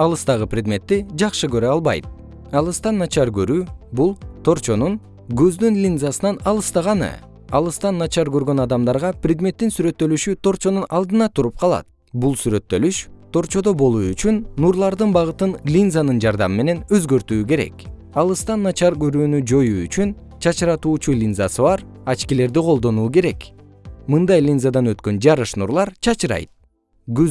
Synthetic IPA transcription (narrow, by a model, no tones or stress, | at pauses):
ɑlˠɯst̪ɑʁɯprʲɪd̪mʲe̞t̪ːid͡ʒɑqʃɯɡø̞ɾøɑlˠβɑ̰jt̪̚ | ɑlˠɯst̪ɑnːɑt͡ʃɑɾɡø̞ɾyːbulˠt̪ʰo̞ɾt͡ʃo̞nuŋ | ɡøzd̪ynlʲinzasɯnɑnɑlˠɯst̪ɑʁɑnɯ̰ | ɑlˠɯst̪ɑnːɑt͡ʃɑɾɡø̞ɾɡø̞nɑd̪ɑmd̪ɑɾʁɑprʲɪd̪mʲe̞t̪ːinsyɾø̞t̪ːø̞lyʃyt̪ʰo̞ɾt͡ʃo̞nunɑlˠd̪ɯnɑt̪ʰuɾup̚qʰɑlˠɑ̰t̪̚ | bulˠsyɾø̞t̪ːø̞lyʃt̪ʰo̞ɾt͡ʃo̞d̪o̞bo̞lˠuːyt͡ʃynːuɾlˠɑɾd̪ɯnbɑʁɯt̪ɯnlʲinzanɯnd͡ʒɑɾd̪ɑ̰mɯme̞ne̞nø̞zɡø̞ɾt̪yːke̞ɾe̞̰k | ɑlˠɯst̪ɑnːɑt͡ʃɑɾɡø̞ɾyːnyd͡ʒo̞juyt͡ʃyn | t͡ʃʰɑt͡ʃɯɾɑt̪uːt͡ʃulʲinzasɯβɑɾɑt͡ʃkile̞ɾd̪iqʰo̞lˠd̪o̞nuːke̞ɾe̞k | mɯnd̪ɑjlʲinzad̪ɑnø̞t̪kø̞nd͡ʒɑɾɯʃnuɾlˠɑɾt͡ʃʰɑt͡ʃɯɾɑ̰jt̪̚ | ɡy